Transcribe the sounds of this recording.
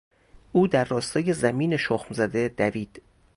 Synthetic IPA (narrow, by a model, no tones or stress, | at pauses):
ʔuːd̪æɾːɒːst̪ɒːje̞zæmiːne̞ʃoxmzæd̪ed̪æviːd̪̥